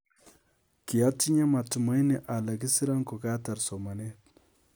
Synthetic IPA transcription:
ki˨a˦tːi˦ɲa˦ma˨tu˨ma˦jnɛ˨ʔa˨la˨ki˦si˦ɾa˦ŋko˨ka˦ta˨ɾso˨ma˨ne˦t

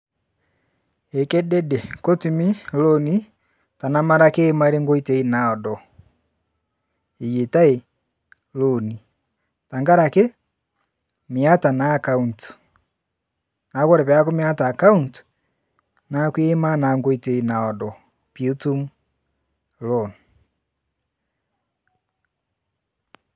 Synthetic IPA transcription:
e˨kɛ˦dɛ˦de˨ko˦tu˨mi˦loni˦ | ta˨na˦ma˦ɾa˦keː˦ma˦e˦ɾe˦ŋɡo˦i˦te˦i˦na˨ɔ˨dɔ˨ | i˨je˨ta˦e˨ | lo˨ni˨ | ta˨ŋɡa˦ɾa˨ke˦ | mja˦ta˨naːkaunt | na˨˦kɔ˦ɾɛ˨βja˦ko˦mi˦a˦taː˨ka˦unt | nakwe˦ma˦na˨ŋɡo˦ite˨i˦na˨ɔ˨dɔ˨ | pju˦tu˦m | lɔn

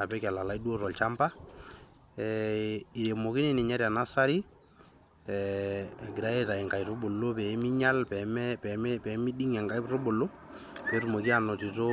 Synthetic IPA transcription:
a˨pɛ˦ka˨la˨laidu˦o˦ɾɔ˨lt͡ʃa˦mpa˦ | ɛi˨ɾe˨mo˨ki˦ni˦ni˨ɲa˦ɾia˨na˦sa˦ɾi˦˨ | ɡi˨ɾa˦je˦ta˨i˨ŋka˨jɾo˦bo˨lːo˦pɛ˨˦mi˦ɲa˦lpɛmpɛ˨pɛ˨˦mi˦ɗi˦ŋa˨ŋɡa˦jɾo˦bo˨lo˦ | pɛ˨˦ɾu˨mo˨ki˦anɔ˨ti˨to˦

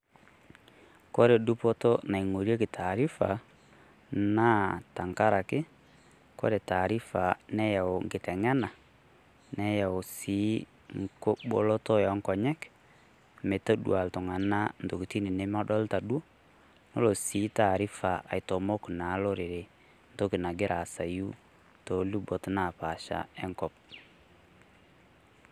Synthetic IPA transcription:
ko˦ɾe˨du˦po˦to˦na˨i˨ŋo˨ɾje˦ki˨tʰaː˨ɾi˦fa̰˨ | na˦ta˨ŋka˦ɾa˨kɪ˦ | ko̰˦ɾe˨ta˨ɾi˦fa˨nɛ˦ja˨o˨ŋɡɪ˨tɛ˨ŋɛ˦na˨ | nɛ˦ja˨o˨siː˨˦ | ŋko˦bo̰˦lo˦tɔ˦jɔ˨˦ŋkɔ˨ɲɛ˦k | me˨to˦dṵ˨a˨ltɔ˨ŋa˨na˦n˨do˨ki˨ti˦ni˨ne˦ma˦dɔ˦lta˨do˦ | no˦lo˨si˨˦ta˨ɾi˦fa˨ʔa̰˨jto˨mo˦kna˨˦lo˦ɾi˨ɾe˨ | ndo˦ki˨na˨ɡe˦ɾʔa˨sa˨ju˦ | to˨˦lu˦bo˨tna˦˨pa˨ʃa̰˦e˦ŋkɔ˦p̚

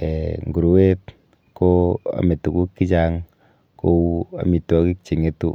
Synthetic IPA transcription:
e˨ŋɡu˨ɾu˨˦we˦t | koa̰˨me˨tu˨ku˦kːi˦t͡ʃaŋ | ko˦wu˦a̰˨mi˨twɔ˦ki˦k̚t͡ʃi˨ŋetu˦

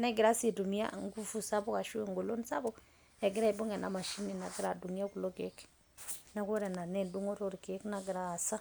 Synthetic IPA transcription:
na˦ɡi˨ɾa˦si˨du˨m˦a̰˦˨ŋ˦ɡu˦fu˦sa˦bo˦a˨ʃu˦˨ŋɡo˨lo˦nsa̰˦bo˦ | e˨ɡi˦ɾa˦i˨bu˦ŋɡe˨na̰˨ma˨ʃi˦ni˨na˨ɡi˦ɾa˨du˨mi˦a˦ku˨lo˦ke˦k | na˦ko˦ɾe˨na˨ne˦ndu˦ŋo˦ɾo˦ɾke˦kna˦ɡi˨ɾaː˨sa˦

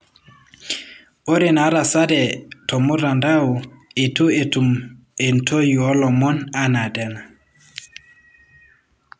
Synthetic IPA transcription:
o˦ɾe˨na˨˦ɾa˨sa˦dɛ˨tɔ˨mu˦ɾa˨nda˦u˨e˨tu˦e˨tu˨m | e˨ntʰo˦ju˨ɔ˦lɔ˨mɔ˦na˦na˨dɛ˨na˨

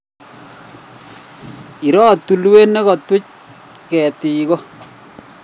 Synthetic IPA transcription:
i˨ɾɔː˦t̪ːu˨lwe˦ne˦kɔ˨tʊ˦c̚ | kɛː˨ti˨kɔ˦

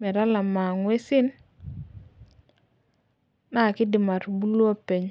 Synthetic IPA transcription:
mɛ˨ɾa˦la˨ma˨ŋwe˦sɪ˦n | a˦˨kɪ˦dɪ˨ma˨ɾbu˦lwo˦pe˨ɲ

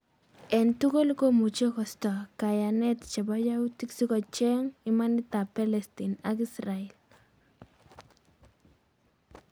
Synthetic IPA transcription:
ɛ˨ntu˦ko˦lkomu˨t͡ʃe˦kɔ˨st̪ɔ˨ka˨janɛtt͡ʃa˨bajautiksi˦kɔ˨t͡ʃɛ˦ŋɪmani˦t̪a˨pɛ˦lɛstinakisraɛl

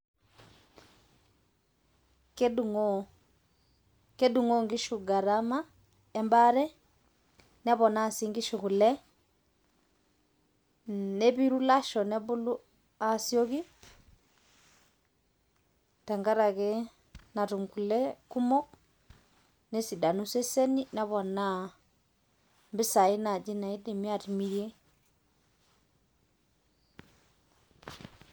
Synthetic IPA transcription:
keduŋɔ | ke˦duŋɔ˦ŋɡi˦ʃu˨ɡa˨ɾama˦ | ɛmbaɾɛ˦ | nɛ˦βɔ˨na˦˨si˦ŋɡi˦ʃu˨ɣu˨lɛ˦ | nɛβi˦ɾu˦laʃɔ˨nɛ˦βulu˦ | a˨sio˦ɣi˦ | ta˨ŋɡa˦ɾa˨kɛ˦ | na˨tu˨ŋku˨lɛ˦ku˦mɔ˦k̚ | ne˦si˨da˨nu˦se˦sɛ˦ni˦na˦βɔ˨na˦ | mbɪ˦sa˨i˦na˨d͡ʒi˦na˨i˦dɛ˨mi˦a˨ti˨mi˨ɾje˦

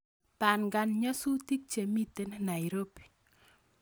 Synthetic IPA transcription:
pa˨nɡa˨nɲɔ˦su˦ti˦k̚t͡ʃe˨mi˦t̪e˦nna˨i˨ɾo˦pi̥˨

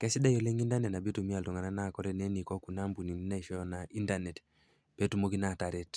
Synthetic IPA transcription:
kɛ˦si˦da˦jo˨le˦ŋi˦nda˦nɛ˨tna˨bi˦tu˨mi˦a˨ltɔ˨ŋa˨na˦na˦˨kɔ˦ɾɛ˨nɛ˦ni˨kɔ˦ku˨na˦mbu˨ni˨ni˦na˦i˨ʃɔ˦jɔ˦na˨i˦nda˨nɛ˨t | pe˦tu˦mo˦ki˦na˦˨ta˨ɾɛ˦t

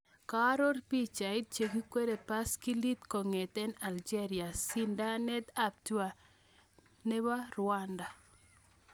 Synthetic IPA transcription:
ka˦ɾo˦rpi˦t͡ʃa˨i˦t̚t͡ʃe˨ɡi˦kwe˦ɾe˨pa˦ski˦li˦t̪ko˨ŋɛ˨t̪ɛ˦na˨ld͡ʒe˦ɾi˨a˨si˦nda˦nɛ˦d̪a˦p̚tu˦a˨ | ne˦wa˦rʊ˨anda˨

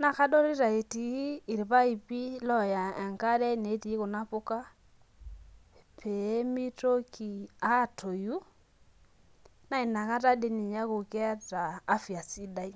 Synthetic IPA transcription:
na˨ka˦dɔ˦ɾi˦ɾa˨e˨tiː˨˦˨ɾi˨βa˦i˨pi˦lɔ˦˨ja˨ɛ˨ŋka˦ɾɛ˦ne˨˦ti˨˦ko˨na˦po˦ka˦ | pʰe˨˦mi˦to˦ki˨a˦˨tʰo˨ju˦ | na˦i˨na˨ka˦ta˦de˦˨ni˨ɲa˦ko˨ka˦taː˨˦fja˨si˦da˦i˦

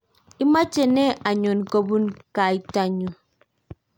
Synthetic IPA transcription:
i˦ma˦t͡ʃe˨ne˦a˨ɲo˨nko˨bu˦nka˨i˦ta˦ɲu˨

